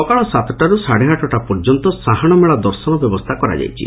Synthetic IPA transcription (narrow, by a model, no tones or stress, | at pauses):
ɔkaɭɔsat̪ʰɔt̪aɾusaɽeɦaʈɔʈapɔɾd͡ʒɔnt̪ɔsaɦaɽ̃ɔmeɭad̪ɔɾsɔnɔbjɔbɔst̪ʰakɔɾa̰d͡ʒa̰jt͡ʃʰḭ